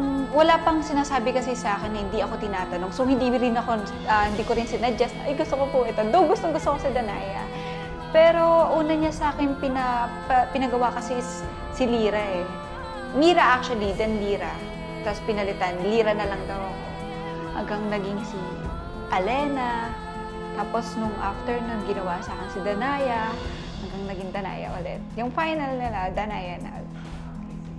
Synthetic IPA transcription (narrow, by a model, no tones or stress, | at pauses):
ɐŋwɐlapɐŋsɪnaːsaːbɪkɐsɛsɐʔaːkɛnːhɪnd̪iɐko̞t̪ɪnaːt̪ɐno̞ŋsowhɪnd̪iːɾɪnɐko̞ | ɐhɪnd̪iːkoɾɪnsɪnɐd͡ʒɐst̪a̰jɡʊst̪okopʊʔɪt̪o̞d̪owɡʊst̪oŋɡʊst̪okosɐd̪ɐnaːjɐ̰ | pɛːɾo̞ʔuːnɐɲasɐaːkɪnpɪnɐpɐpɪnɐɡɐwakɐsɛs | sɪliːɾɐʔɛ | liːɾaʔak̚t͡ʃ̪ʊwɐlid̪ɛnliːɾa | t̪aspɪnɐlɪt̪anliːɾɐnɐlɐŋd̪aw | hɐ̰ŋɡaŋnɐɡɪŋsi | ʔɐlɛnɐ | t̪aːpo̞snʊŋʔaft̪ɛɹnunɡɪnɐwasaːkɪnsɪd̪ɐnaːjɐ | hɐŋɡaŋnɐɡɪŋd̪ɐna̰ːjɐ̰ʔo̰lɛ̰t̪̚jʊŋfajnɐlnɐlad̪ɐnaːjɐna̰l